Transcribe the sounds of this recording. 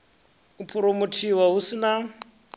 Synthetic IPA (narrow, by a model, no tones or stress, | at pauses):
upʰuɾomutʰiwaɦusina